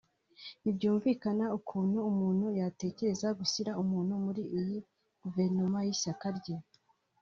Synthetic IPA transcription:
ibɟuːɱviːkanaukʰuːnhuːmuːn̥hujate̞ːce̞ɾe̞zaɡusiɾaumuːn̥humuɾiʔiji | ɡ̥uve̞ɾnomajisakaɾɟe

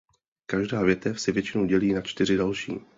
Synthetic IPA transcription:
kaʒdaːvjɛt̪ɛfsɛvjɛt͡ʃɪnowɟɛliːnat͡ʃt̪ɪɾ̝ɪdalʃḭː

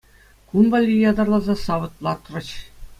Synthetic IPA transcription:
kunbɑlʲːijɑd̪ɑrlˠɑzɑsɑʋɤ̆t̪lˠɑt̪rɤ̆t͡ɕ

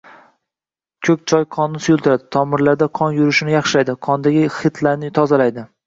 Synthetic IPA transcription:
kʲʰɵk̚ʲt͡ʃʰɒjqʰɒnːɪsʊjʊlˠt̪ɪɾad̪ɪt̪ʰɒmɪɾlaɾd̪aqʰɒnjʊɾɪʃɪnɪjɑχʃɪlajd̪ɪqʰɒnd̪aɡʲɪχɨt̪ʰlaɾnɪt̪ʰɒzalajd̪ɪ

